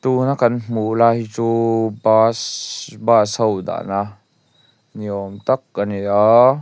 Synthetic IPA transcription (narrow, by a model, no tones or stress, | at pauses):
t̪unakanm̥ulajt͡subasbasawd̪a̰ʔna | niɔmt̪ak̚ːania